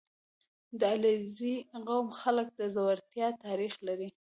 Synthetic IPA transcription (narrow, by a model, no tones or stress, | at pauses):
d̪əaleziɣawmxalək̚d̪əzawaɾt̪jɑt̪ɑɾixlaɾi